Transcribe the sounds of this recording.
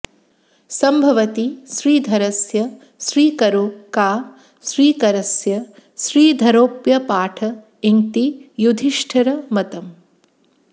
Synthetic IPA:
sɐmbʱɐʋɐt̪iʃɾiːd̪ʱɐɾɐsjɐ | ʃɾiːkɐɾoːkaː | ʃɾiːkɐɾɐsjɐ | ʃɾiːd̪ʱɐɾoːpjɐpaːʈʰɐ | iŋt̪ijud̪ʱiʃʈʰɐɾɐmɐt̪ɐm

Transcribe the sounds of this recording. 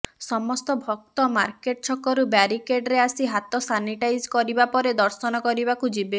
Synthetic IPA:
sɔmɔst̪ɔbʱɔk̚t̪ɔma̰ɾkeʈ̚t͡ʃʰɔkɔɾubaɾikeɖɾeasiɦat̪ɔsaniʈajd͡ʒkɔɾibapɔɾed̪ɔɾsɔnɔkɔɾibakud͡ʒibe

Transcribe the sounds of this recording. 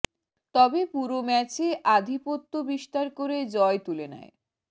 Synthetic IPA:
t̪ɔbepuɾomɛt͡ɕeʔad̪ʱipot̪ːobiʃt̪aɾkoɾed͡ʑɔet̪ulena̰e

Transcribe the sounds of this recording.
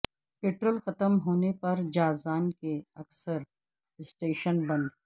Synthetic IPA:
peːʈɾoːlxɐt̪əmɦoːnepɐɾd͡ʒaːzaːnkeɐksəɾ | ɪsʈeːʃənbɐ̃nd̪

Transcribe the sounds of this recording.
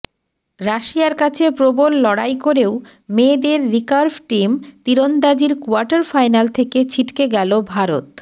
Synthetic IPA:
ɾaʃiaɾkat͡ɕʰepɾobolːɔɽajkoɾeo | med̪eɾːikaɾfʈimt̪iɾond̪ad͡ʑiɾkoaɾʈaɾfajnalt̪ʰeket͡ɕʰiʈkeɡɛlobʱaɾot̪

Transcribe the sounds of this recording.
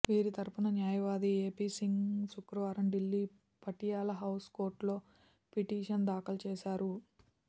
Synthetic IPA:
ʋiːɾit̪ɐɾpunɐnjaːjɐʋaːd̪ieːpiːsiŋɡsukɾuʋaːɾɐmɖilːi | pɐʈijaːlɐɦɐwskoːɾʈlo̞ː | piʈiːʂɐnd̪aːkɐlt͡ʃɛːʃaːɾu

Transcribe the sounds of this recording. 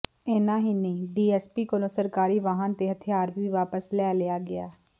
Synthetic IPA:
ɪnãːɦiːnĩːɖiːɛːspiːkolõːsəɾkaːɾiːʋaːɦənt̪eːɦət̪ʰɪjaːɾʋiːʋaːpəslɛːlɪjaːɡɪaː

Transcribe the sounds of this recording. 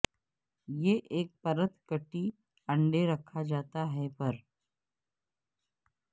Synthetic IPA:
jeʔeːk̚pəɾət̪kəʈiː | əɳɖeɾəkʰad͡ʒaːt̪aɦɛpəɾ

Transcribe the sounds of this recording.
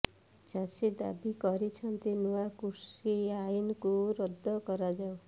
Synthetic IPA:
d͡ʒased̪a̰bikɔɾit͡ʃʰɔnt̪enuakusiainkuɾɔd̪ʱːɔkɔɾad͡ʒaw̃

